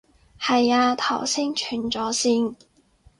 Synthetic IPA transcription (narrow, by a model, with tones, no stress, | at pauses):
hɐ˨jaː˧t̪ʰɐ˨˩wsʰɪ˥ŋt͡ʃʰyː˨˩nt͡sɔː˨˥siː˧n